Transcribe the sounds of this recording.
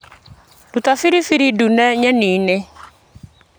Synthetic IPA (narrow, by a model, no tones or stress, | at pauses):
dutafiɾifiɾidunɛɲɛniːne